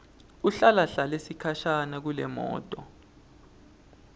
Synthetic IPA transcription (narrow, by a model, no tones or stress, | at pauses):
uɬalaɬalesikʰaʃanak̬ulɛ̰mɔ̰ːtʼɔ